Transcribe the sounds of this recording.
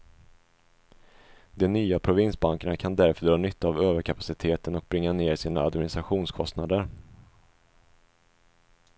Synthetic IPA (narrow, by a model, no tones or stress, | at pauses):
d̪ɔnyːapʰɾʊvɪnsbaŋkaɳakʰand̪æɾfœɖɾɑːnʏt̪ʰːaavøːvəɾkʰapḁsɪt̪ʰeːt̪ənɔk̚bɾɪŋːaneːɾsiːna̰ad̪mɪnɪst̪ɾaɧuːnskʰɔst̪nad̪əɾ